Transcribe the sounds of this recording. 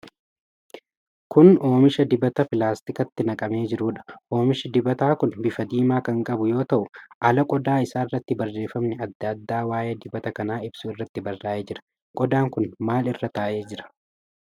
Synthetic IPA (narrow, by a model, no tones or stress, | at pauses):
kʊno̞ːmɪʃɐd̪ɪbɐt̪ɐpɪlaːst̪ɪkɐt̪ːɪnɐkʼɐme̞ːd͡ʒɪɾuːᶑɐ̥ʔo̞ːmɪʃɪd̪ɪbɐt̪aːkʊnbɪfɐd̪iːmaːkɐŋkʼɐbʊjo̞ːt̪ɐʔʊʔɐlɐkʼɔd̪aːɪsaːɪrːɐt̪ːɪbɐrːe̞ːfɐmnɪɐd̪ːɐd̪ːaːwaːjɐd̪ɪbɐt̪ɐkɐnaːɪbsʊɪrːɐt̪ːɪbɐrːaːʔeːd͡ʒɪɾɐ̥ | kʼɔd̪aːŋkʊnmaːlɪrːɐt̪aːʔe̞ːd͡ʒɪɾɐ̥